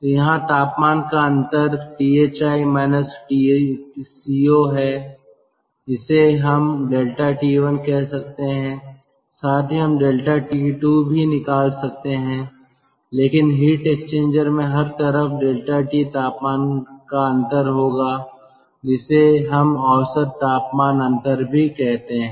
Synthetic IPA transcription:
jɐɦãt̪aːpmaːnkaɐ̃nt̪əɾʈiːeːt͡ʃaːimɛːnəsʈisiːoɦɛː | ɪseɦɐmɖeːlʈaʈiʋənkɛɦsɐk̚t̪eɦɛ̃ | saːt̪ʰiɦɐmɖeːlʈaʈiʈubʱinɪkaːlsɐk̚t̪eɦɛ̃ː | leːkɪnɦiːʈekst͡ʃẽːɲd͡ʒəɾmẽɦɐɾt̪əɾəfɖeːlʈaʈit̪aːpmaːnkaɐ̃nt̪əɾɦoːɡaː | d͡ʒɪseɦɐmɔːsəɾt̪ːaːpmaːnɐ̃nt̪əɾbʱikɛɦt̪eɦ

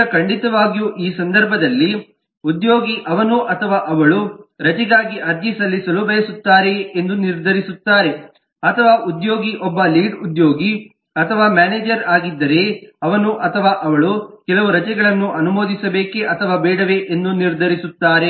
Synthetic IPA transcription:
ɐkɐɳɖit̪ɐʋaːɡijuʔiːsɐnd̪ɐɾbʱɐd̪ɐlːi | ud̪jo̞ːɡiʔɐʋɐnuʔɐt̪ʰɐʋaːʔɐʋɐɭuɾɐt͡ʃɛɡaːɡiʔɐɾd̪isɐlːisɐlubɐjɐsut̪ːaːɾe̞end̪uniɾd̪ʱɐɾisut̪ːaːɾe̞ | ɐt̪ʰɐʋaːʔud̪jo̞ːɡiʔɔbːɐliːɖud̪jo̞ːɡi | ɐt̪ʰɐʋaːmaːneːd͡ʒɐɾaːɡid̪ːɐɾe̞ɐʋɐnuʔɐt̪ʰɐʋaːʔɐʋɐɭukɛlɐʋuɾɐt͡ʃɛɡɐɭɐnːuʔɐnumo̞ːd̪isɐbeːkeʔɐt̪ʰɐʋaːbɛːɽɐʋe̞ʔend̪uniɾd̪ʱɐɾisut̪ːaːɾe

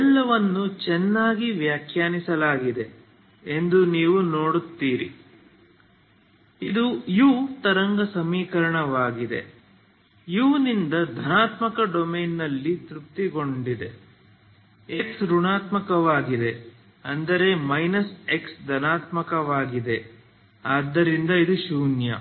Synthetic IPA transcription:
ɛlːɐʋɐnːut͡ʃɛnːaːɡiʋjaːkʰjaːnisɐlaːɡid̪e̞ | e̞nd̪uniːʋunoːɽut̪ːiːɾḭ | id̪ujuːt̪ɐɾɐŋɡɐsɐmiːkɐɾɐɳɐʋaːɡid̪e̞̰ | juːnind̪ɐd̪ʱɐnaːt̪mɐkɐɖomeːnːɐlːit̪ɾup̚t̪iɡo̞ɳɖid̪e̞ | e̞ksɾuɳaːt̪mɐkɐʋaːɡid̪e̞ | ɐnd̪ɐɾe̞mɐjnɐse̞ksd̪ʱɐnaːt̪mɐkɐʋaːɡid̪e̞ | aːd̪ːɐɾind̪ɐid̪uʃuːnjɐ̰

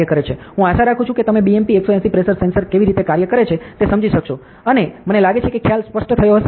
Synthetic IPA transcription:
jəkəɾet͡ʃʰeɦũaʃaɾakʰũt͡ʃʰũket̪əmebiempieksoɛ̃sipɾeʃəɾsensəɾkeʋiɾit̪ekaɾjəkəɾet͡ʃʰet̪esəmd͡ʒiʃəkʃo | ənemənelaɡet͡ʃʰekekʰjalspəʂʈt̪ʰəjoɦəʃe

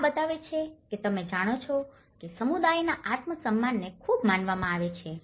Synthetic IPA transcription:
bət̪aʋet͡ʃʰeket̪əmed͡ʒaɽ̃ot͡ʃʰɔ | kesəmud̪ajnaʔat̪məsəmːanːekʰubmanʋamãaʋet͡ʃʰe

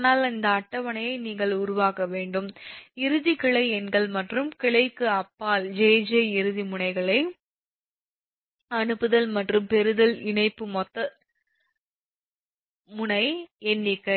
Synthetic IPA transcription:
naːlɐnd̪ɐːʈːɐʋɐnɐjɐɪniːŋɡɐɭʊɾʊʋaːkɐʋeːɳɖɯmɪɾɯðikɪɭɐɪɛnɡɐɭmɐʈrɯmkɪɭɐɪkːɯɐpːaːld͡ʒeːd͡ʒɐɪɾɯðimʊɳɐɪɣɐɭɐɪ | ɐnɯpːɯðɐlmɐʈrɯmpɛɾɯðɐlɪɳɐɪpːɯmɔt̪ːɐ | mʊnɐɪɛnːɪkːɐ

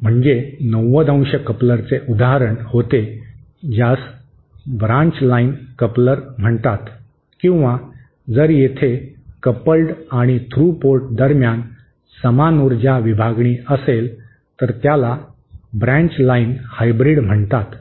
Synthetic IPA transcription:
m̤əɳd͡zenəwːəd̪ə̃w̃ɕəkəpləɾt͡seʔud̪aɦaɾəɳhot̪e | d͡ʑjas | bɾãɲt͡ɕlainkəpləɾm̤əɳt̪at̪ | kĩw̃ʋa | d͡zəɾjet̪ʰekəpəlʈaɽ̃it̪ʰɾupoɾʈ̚d̪əɾmjan | səmanuɾd͡ʑjaʋibʱaɡɳiːəsel | t̪əɾt̪jala | bɾãɲt͡ɕlainhajbɾiɽm̤əɳt̪at̪

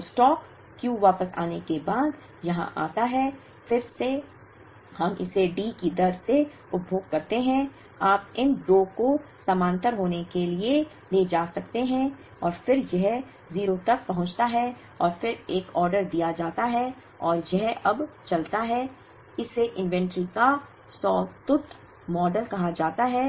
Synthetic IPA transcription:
sʈɔːkː | jũːʋaːpəsa̰ːnekebaːd̪ | jɐɦã̰ʔa̰ːt̪aɦɛː | fɪɾse | hɐmʔɪ̰seɖiːkid̪ɐɾse | ʊbʱoːɡkːɐɾt̪eɦɛ̃ | aːp̚ɪnd̪oːkosɐmãːnt̪əɾɦoːnekelie | leːd͡ʒaːsɐkt̪eɦɛ̃ | ɔːɾfɪɾjɛɦ | ziːɾot̪ɐk̚pɐɦʊ̃t͡ʃt̪aɦɛ | ɔːɾfɪɾeːkɔːɾɖəɾd̪ijad͡ʒaːt̪aɦɛ | ɔːɾjɛɦɐbt͡ʃɐlt̪aɦɛ | ɪseʔɪ̃nʋɛ̃ɳʈɾika | sɔːt̪ʊt̪ | mɔːɖəlkɐɦad͡ʒaːt̪aɦɛː

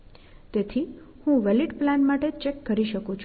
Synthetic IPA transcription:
t̪et̪ʰi | hũʋɛliʈplanmaʈet͡ʃekːəɾiʃəkũt͡ʃʰ

